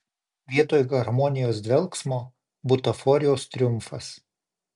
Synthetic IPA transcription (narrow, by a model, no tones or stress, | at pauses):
ʋʲiɛt̪oːjɡɐɾmɔnʲɪjoːsd̪ʲʋʲɛlˠksmoː | bʊt̪ɐfɔɾʲɪjoːst̪ʲɾʲʊmˑfɐs